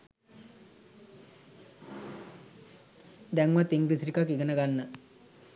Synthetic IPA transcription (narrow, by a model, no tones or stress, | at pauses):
d̪ɛŋmat̪ːiŋɡɾisiɾikakiɡɐnɐɡanːə